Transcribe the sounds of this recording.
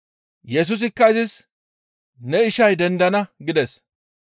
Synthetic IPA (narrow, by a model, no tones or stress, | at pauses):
jɛs̬ʊs̬ɪkːɐɪzɪs | nɛɪʃɐjd̪ɛnd̪ɐnɐɡɪd̪ɛs